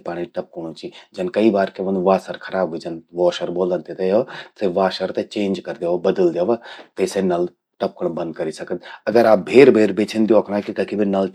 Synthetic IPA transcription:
paːɽ̃iʈɐp̚kəɽ̃ot͡ʃid͡ʒɐnkɐibaːɾkeʋɐnʋaːsəɾkʰɐɾaːbid͡ʒɐnʋɔːʃəɾboːlə̃nt̪et̪ɐjoseʋaːʃəɾt̪et͡ʃẽːnd͡ʒkɐɾd̪eːʋabɐd̪əld̪eːʋat̪esenɐl | ʈɐp̚kəɽ̃bɐ̃nd̪̚kɐɾisɐkət̪ɐɡəɾaːp̚bʱeːɾbʱeːɾbeːt͡ʃʰənd̪joːkʰnaːkik̪ɐkʰibʱinɐl

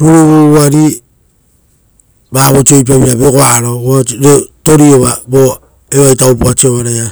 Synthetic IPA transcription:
ɾuɾuβuuaɾi | baβot͡ʃiojp̬aβiɾaβekoaɾooɾetoɾioβabo | eβajtawpuat͡ʃioβaɾaja

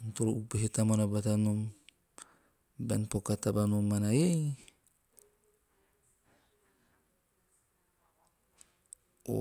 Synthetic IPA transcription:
nt̪oɾuʔupeɦetamonabatanom | benpokatabanomːanajej | o̰

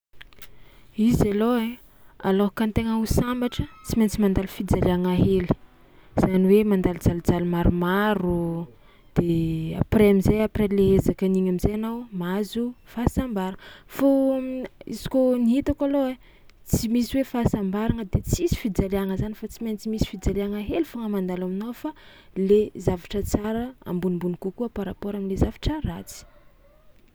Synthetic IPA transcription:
izaloe | a̰loɦkant̪eŋausambaʈ͡ʂət͡siment͡simand̪alifid͡zaliaŋaɦeli̥ | z̥aniwemand̪ald͡zald͡zalimaɾumaɾu | d̪̥ea̰preamizejapreleɦezakəniɲamizejanawmazufasambaɾaŋəfo | ḭzi̥koniɦit̪akaloe | t͡simisiwefasambaɾaŋəd̪et͡sisi̥fid͡zaleaŋəzanifat͡siment͡simisi̥fid͡zaleaŋəɦelifoŋəmand̪alaminawfa | lezavaʈ͡ʂət͡saɾəa̰mbunimbunikukuapaɾapoɾaminlezavaʈ͡ʂərat͡si̥

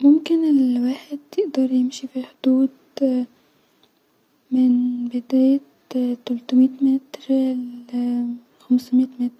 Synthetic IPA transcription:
mʊmkɪnɪlwaːħɪd̪jɪʔd̪ɑɾˤjɪmʃifiħʊd̪̥uːd̪ | mɪnbɪd̪æːjt̪ | t̪ːælt̪ʊmiːt̪mæt̪ɾ | xamsmit̪mæt̪ɾ

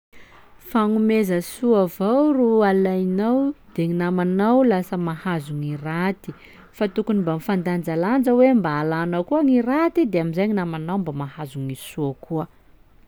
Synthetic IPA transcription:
faŋumezəsuavawɾualajnawd̪̥eŋinamanawlasəmahazuŋirat̪i | fat̪ukunimbamifand̪and͡zaland͡ʒəwembaːlanakuaŋiɾat̪id̪eamizajɲinamanawmbamahazuŋisuəkuə

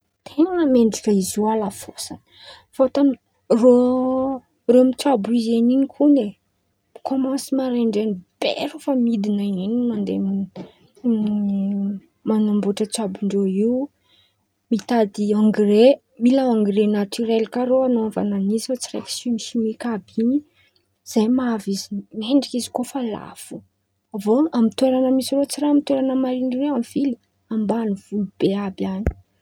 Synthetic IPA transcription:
t̪ʰeŋəmeɳɖ͡ʐikaizualafosanə̥ | fot̪ami | ro | romit͡sabizeninikʰune | kʰomãsimaɾeɳɖ͡ʐenib̥ḛɾofamid̪inainimand̪emi | manamboʈ͡ʂət͡sabuɳɖ͡ʐoiw | mit̪ad̪iaŋɡire | milaãŋɡiɾenat̪yɾelkaɾoanoãva̰nanizifat͡siɾḛki̥simiʃimikabini | z̥ajmavizimeɳɖ͡ʐikizi̥kofala̰fu̥ | avoamit̪weɾanəmisirot͡siɾamit̪weɾanəmaɾiɳɖ͡ʐireamiv̥ili̥ | ambaniv̥ulub̥eabjani̥

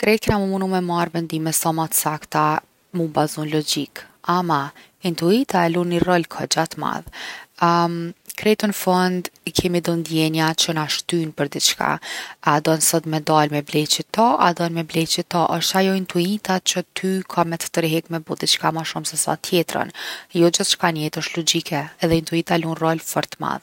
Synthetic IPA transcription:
kɾɛt̪kɛnamumunumɛmarvɛnd̪imɛsɔmat̪sakt̪a | mubazunlɔd͡ʑikama | int̪uit̪aɛlunirɔlkʰɔd͡ʑat̪ma̰ð | kɾɛt̪unəfɔnd̪ikʰɛmid̪ɔnd̪jɛnjat͡ʃənaʃt̪ynpəɾd̪it͡ʃka̰ad̪ɔnsɔt̪mɛd̪almɛblɛt͡ʃət̪ɔa̰d̪ɔnmɛblɛt͡ʃit̪ɔʔəʃt̪ajɔint̪uit̪at͡ʃət̪ʰykʰamɛt̪ə̥t̪əɾɦɛkmɛbud̪it͡ʃkamaʃumsɛsa̰t̪ʰjɛt̪ɾə̰njɔd͡ʒəθt͡ʃkanɛt̪əʃt̪lɔd͡ʒikʰɛːðɛint̪uit̪alunrɔlfɔɾt̪ma̰ð

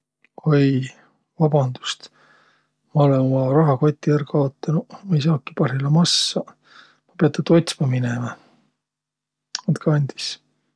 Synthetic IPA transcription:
kʰuj | vɑb̥ɑnd̪̥u̥st̪ | mɑo̞lenmɑɾɑɦɑko̞t̪ʲːiærɡɑot̪ːˑɑnumɑjs̬ɑːkːi̥pɑɾilɑmɑsːɑ | mɑpeɑt̪ːˑɑt̪o̞jt̪smɑminemɑ | ɑt̪kɑɑnʲd̪̥i̥s

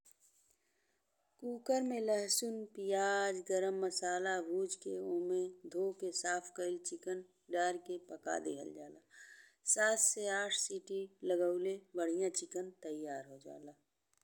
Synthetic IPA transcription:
kuːkəɾmẽləɦsʊnpijaːd͡ʒɡəɾəmːəsaːlabuːd͡ʒkeõːmẽd̪ʱoːkesaːpʰkəɪlt͡ʃɪkən | ɖaːɾkepəka̰d̪ɪ̰kʰə̰ld͡ʒaːlaːsaːt̪seaːʈʰsiːʈiləɡəʊlebəɽ̤ijãt͡ʃɪkənt̪əjaːɾɦod͡ʒa̰ːlaː

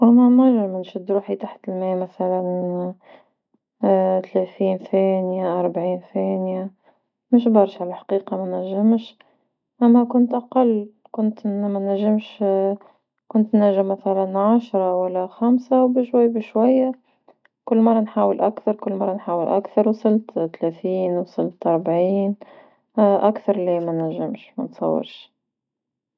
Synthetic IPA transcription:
ʔæmæmæʒɪmɪnʃɪd̪ɾuːħit̪aħt̪ɪlmæːmæθælæn | t̪lɛθiːnθæːnjaʔɑɾˤbʕiːnθæːnja | mɪʃ̬bɑɾˤʃʕalæħḁqiːqɑmænæʒːɪmʃ | ʔæmːækʊnt̪ʔɑqɑlː | kʊnt̪mænːæʒːɪmʃ | kʊnt̪næʒɪmːæθælænʕaʃɾˤɑwælːæxæmsawbɪʃwæjːbɪʃwæjːa | kʊlːmɑrˤːɑnħaːwəlʔakθɑɾˤkʊlːmɑrˤːɑnħaːwəlʔakθɑɾˤwsˤɨlt̪t̪læθiːnwɑsˤɨlt̪ʔɑɾˤbʕiːn | ʔakθɑɾˤlimænæʒːɪmʃmæ̰nt̪sˤɑ̰wːɪ̰ɾʃ

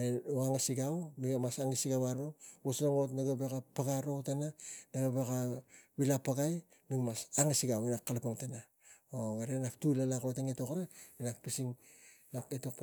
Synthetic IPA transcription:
eaŋasiɡawmiɡamasaŋisiɡawaɾobosnaŋotnaɡabekapaɡaɾotananaɡabekaβilapaɡaj | nuŋmasaŋasiɡawinakːalpaŋtana | oɡaɾenaptulalakotaŋetokaɾainak̚pisiŋ | naketokp

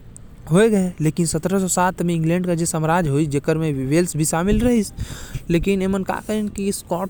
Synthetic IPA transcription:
ɦoːeɡɐeleːkɪnsət̪ɾəsɔsaːt̪ʰmẽɪ̃ŋɡlɛ̃ːɳɖkad͡ʒesəmɾaːd͡ʒʱɦoid͡ʒekəɾmẽʋeːlsbʱiʃaːmɪlɾɐɦisleːkɪnemənka̰kəinkiskɔːʈ

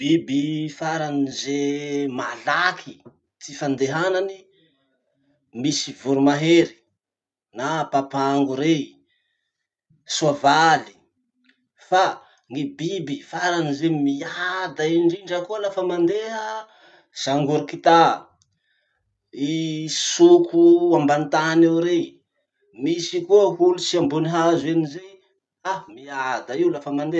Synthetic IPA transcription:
b̥ibifaɾanizemalakʰi | t͡sifand̪eɦanani | misivuɾumaɦeɾi̥ | napapaŋɡuɾe | suavali̥ | fa | ŋibibifaɾanizemiad̪aiɳɖ͡ʐiɳɖ͡ʐəkuəlafəmand̪eɦə | z̥aŋɡuɾikit̪a | isukʰuambant̪anewɾe | misikuəɦulut͡siambuniɦazenize | amiad̪aiwlafəmand̪e

